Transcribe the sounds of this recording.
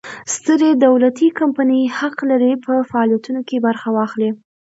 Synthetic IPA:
st̪əɾed̪awlat̪ikampanəjhaqlaɾipʰəfaɑlijat̪unokebaɾxawɑxli

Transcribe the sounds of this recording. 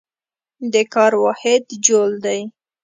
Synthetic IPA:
d̪əkɑɾwɑhɪd̪d͡ʒold̪aj

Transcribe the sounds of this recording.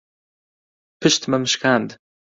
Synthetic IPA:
pʰɨʃt̪mɐmʃkand̪

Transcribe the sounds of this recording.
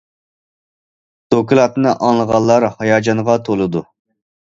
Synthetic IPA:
d̪̥okʰilˠɑt̪nɨʔɑŋlˠəʁɑlˠːɑɾhɑjɑːd͡ʒɑnʁɑt̪ʰolˠɨd̪u

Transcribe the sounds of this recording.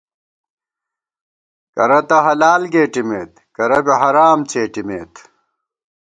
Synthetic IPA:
kɐɾɐt̪ɐɦɐlaːlɡeːʈimeːt̪kɐɾɐbeɦɐɾaːmt͡ɕʰeːʈimḛːt̪

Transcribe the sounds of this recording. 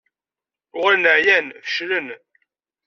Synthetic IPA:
ʊʁɾnəʕjænfə̥ʃɾən

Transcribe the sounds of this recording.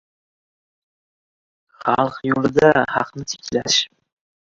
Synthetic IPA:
χɑlˠqjolˠɪd̪ahɑqnɪt̪ʰɪ̥kʲlaʃ

